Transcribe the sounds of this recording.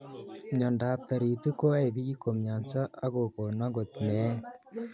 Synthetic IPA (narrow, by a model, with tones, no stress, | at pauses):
mɲo˨nda˨p̚t̪a˨ɾi˨t̪u˦ko˦e˨βi˦ji˦ko˨mɲa˨nt͡sa˦a˦ɣo˨ko˨na˦ɡo˨t̪me˦t̪